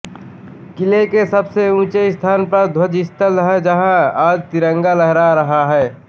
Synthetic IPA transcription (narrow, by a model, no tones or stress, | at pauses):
kɪlekesəbseũːt͡ʃeɪst̪ʰaːnpəɾd̪ʱwəd͡ʒɪst̪əlɦed͡ʒɐɦãaːd͡ʒt̪ɪɾə̃ŋɡaləɦɾaɾɐɦaɦɛː